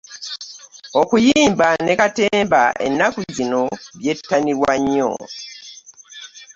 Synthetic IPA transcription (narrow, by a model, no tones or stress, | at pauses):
okujiːmbane̞kate̞ːmbaʔe̞̰nːakuzino̞βje̞tːaniɾwaɲːo̰